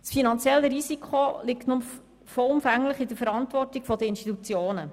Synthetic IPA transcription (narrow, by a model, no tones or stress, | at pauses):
sfinɑnt͡sjɛlːəɾisikʰχolɪktnʊm | fɔʊmfæŋləχɪdəfəɾɑntʋɔrtiɡ̥fɔd̪əinstit̪ut͡sjoːnə